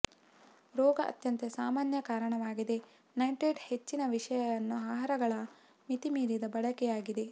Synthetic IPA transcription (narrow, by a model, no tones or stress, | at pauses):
ɾɔːɡɐʔɐ̰t̪jɐnt̪esaːmaːnjɐkaːɾɐɳɐʋaːɡid̪e̞ | nɐjɳʈeːɖhe̞t͡ʃːinɐʋiʂɐjɐʋɐnːuaːɦɐɾɐɡɐɭɐ | mit̪imiːɾid̪ɐbɐɽɐkɛjaːɡid̪e̞